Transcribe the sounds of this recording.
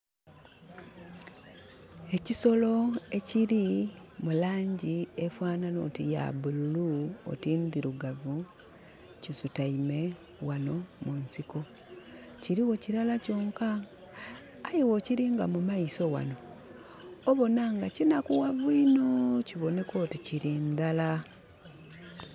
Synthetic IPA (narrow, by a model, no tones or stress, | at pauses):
e̞ciso̞lo̞e̞ciɾimulaːɲɟiefwaːnanotija̰bululuo̰tiːnd̪iɾuɡavu | cizutaime̞ | wano̞munsiko̞ | ciɾiwo̞ciɾalaco̞ːŋka | jewociɾiŋɡamumaiso̞wa̰no̞ | oβo̞naŋɡacinakuwaβwuinociβo̞ne̞ko̞ːticiɾind̪ala